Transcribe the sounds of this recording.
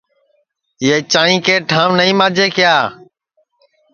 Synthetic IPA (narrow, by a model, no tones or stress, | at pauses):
ɪːeːt͡ʃaːɳĩːkeːʈʰãːʋnəĩːmãːd͡ʒʱeːkɪjaː